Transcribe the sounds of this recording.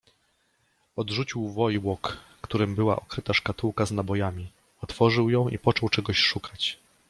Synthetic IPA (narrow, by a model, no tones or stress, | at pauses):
ɔd̪ʐut͡ɕiwvɔjwɔkkt̪uɾɘmbɘwa̰ʔɔkɾɘt̪aʂkat̪uwkaznabɔjamʲi | ɔt̪fɔʐɘwjɔ̃w̃ḭpɔt͡ʂɔwt͡ʂɛɡɔɕʂukʰḁt͡ɕ